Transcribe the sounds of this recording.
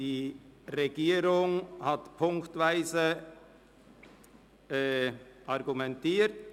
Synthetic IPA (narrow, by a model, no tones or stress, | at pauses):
iːʁeɡiːɾʊŋhatpʰʊŋktvaɪzə | ɛʔɑʁɡumɛntiːt